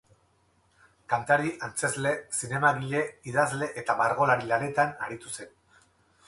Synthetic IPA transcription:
kant̪aɾiʔant͡se̞zle̞sine̞maɣiʎe̞iðazle̞ʔet̪aβaɾɣ̞o̞laɾilane̞t̪anaɾit̪use̞n

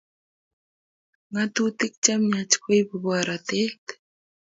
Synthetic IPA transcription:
ŋat̪ut̪ɪk̚t͡ʃamɲat͡ʃkʊjpabaɾat̪et̪

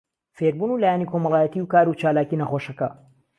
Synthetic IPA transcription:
feɾbuːnuːlaːjanikʰo̞mɐlaːjɛt̪iwkaːɾut͡ʃaːlaːkinɐχoʃɐkɐ

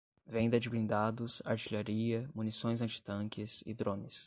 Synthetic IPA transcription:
vẽj̃d̪ɐd͡ʒɪbɾĩnd̪ad̪ʊsaɾt͡ʃiʎaɾiɐmunisõj̃zɐ̃t͡ʃɪ̥t̪ɐ̃kɪsɪ̰d̪ɾõnɪs

